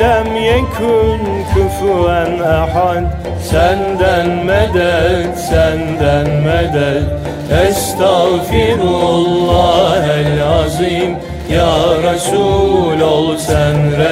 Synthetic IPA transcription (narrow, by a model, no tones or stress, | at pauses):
lamjakʰʊn | kʰʊfɾanʔaħad̪ | sand̪anmad̪ad̪sand̪anmad̪ad | ʔast̪aɣfidlːɑːhalʕɑzˤiːm | jaːɾˤɑsuːlalsanɾa